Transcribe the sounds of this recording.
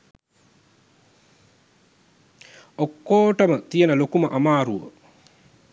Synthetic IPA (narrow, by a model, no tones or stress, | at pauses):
okːoːʈəmət̪ijənəlokuməʔamaːɾuʋə̰